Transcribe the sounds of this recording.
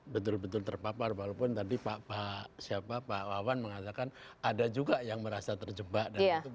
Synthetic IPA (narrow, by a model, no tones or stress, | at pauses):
bət̪ʊlbət̪̬ʊlt̪ərpaparwalopʊnt̪adipapasiapapaʔwawanməŋat̪akanadad͡ʒuɡajaŋməɾasat̪ərd͡ʒəbaʔdau